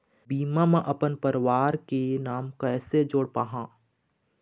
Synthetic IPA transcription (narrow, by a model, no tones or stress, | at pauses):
biːmamẽʔɐpənpəɾʋaːɾkenaːmkɛːsed͡ʒoːɽpaːɦãː